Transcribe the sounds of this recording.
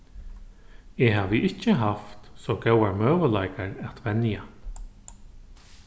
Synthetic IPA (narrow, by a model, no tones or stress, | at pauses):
eɦaːʋəʔɪt͡ʃːəɦaft̪soɡɛwaɾmøːʋəlajkaɹɛt̪ʋɛnja